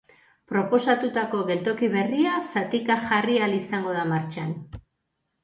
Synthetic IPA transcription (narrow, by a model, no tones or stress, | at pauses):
pɾo̞po̞sat̪ut̪ako̞ɣe̞lt̪o̞kiβ̞e̞riasat̪ikaxarialisaŋɡo̞ð̞amaɾt͡ʃan